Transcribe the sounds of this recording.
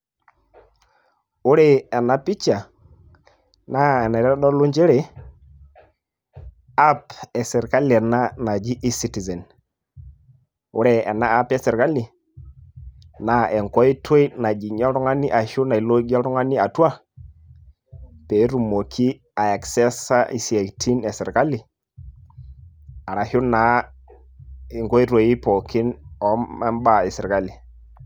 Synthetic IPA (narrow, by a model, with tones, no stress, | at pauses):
ʊ˦ɾe˦˨ɛ˨na˨pi˦t͡ʃa˨ | na˦ɛ˨nɛ˨ɾɛ˦ɗɔ˦lo˦ɲd͡ʒe˦ɾe˨ | a˦pɛ˨sɛ˨ɾka˦lɛ˨na˦na˨d͡ʒi˦ʔi˦si˦ti˨zɛ˨n | ʊ̰˦ɾe˨ɛ̰˨na˦a˦pɛ˦sɛ˨ɾka˦li˨ | na˨˦ɛ˨ŋkɔ˦i˦tʰo˦i˦na˨d͡ʒi˨ɲɔ˦ɾʊ˦ŋa˦ni˦ʔa˨hʊ˦na˨i˨lo˦ɡɛ˦ɾʊ˦ŋa˦ni˦a˨twa˦ | pe˨˦ɾu˨mo˨kʰi˦ | a˨a˨ksɛ˦sa˦ʔḭ˨si˨a˨ktʰi˦nɛ˨sɪ˨ɾka˦li˨ | a˨ɾa˨hʊ˦na˨˦ | ɪ˨ŋkɔ˦i˦ɾo˦ji˦pɔ˨kʰɪ˦nɔ˦mɛ˦mba˦˨ɪ˨sɪ˨ɾka˦li˨